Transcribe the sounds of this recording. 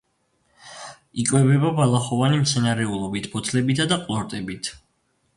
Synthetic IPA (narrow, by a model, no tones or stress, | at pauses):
ikʼwɛbɛbabalˠaχɔvanimt̪sʰɛnaɾɛulˠɔbit̪ʰbɔt̪ʰlɛbit̪ʰad̪aqʼlˠɔɾt̪ʼɛbit̪ʰ